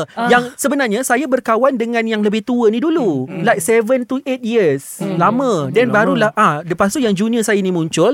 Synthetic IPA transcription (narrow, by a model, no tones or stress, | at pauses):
jaŋsəbənarɲãsajabərkawandəŋãnjaŋləbɪht̪uənidululajsɛvənt̪uʔet̪̚jiəslamə̃danbaɾulahʔadəpasuʔjaŋd͡ʒuniəsajainĩmũɲt͡ʃʊl